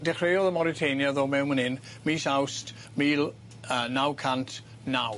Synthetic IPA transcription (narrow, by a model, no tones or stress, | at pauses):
dɛχrejɔðəmɔɾɪtʰejnjaðoːmɛwmənɪn | miːsawst | miːlˠ | ənawkʰantʰ | naw